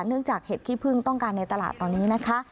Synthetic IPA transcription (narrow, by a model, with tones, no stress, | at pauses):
nɯ˥˩əŋt͡ɕaː˨˩k̚heː˨˩t̪̚ʰiː˥˩pʰɯ˥˩ŋt̪ɔ˥˩ŋkaː˧nːa˧jt̪a˧la̰ː˨˩t̪ːɔː˧nːiː˦˥na˦˥kʰa˦˥